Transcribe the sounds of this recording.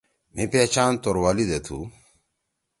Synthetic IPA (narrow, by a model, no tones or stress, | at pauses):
mipeːt͡ɕaːnt̪oɾwaːlid̪et̪ʰu